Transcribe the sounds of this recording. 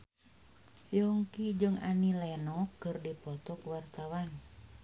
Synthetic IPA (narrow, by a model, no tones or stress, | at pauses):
jɔŋkid͡ʒəŋa̰nilɛnɔkːərdipɔt̪ɔkwart̪awan